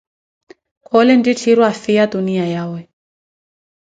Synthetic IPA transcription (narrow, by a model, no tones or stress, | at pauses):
kʰɔlɛnditʰiɾwafiad̪uniajawɛ